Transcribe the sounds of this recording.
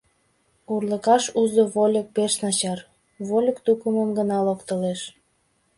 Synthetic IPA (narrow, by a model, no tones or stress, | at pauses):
urlə̆kɑʃuzoβolʲək̚peʃnɑt͡ɕɑr | βolʲəkt̪ukəməmɡənɑlokt̪əleʃ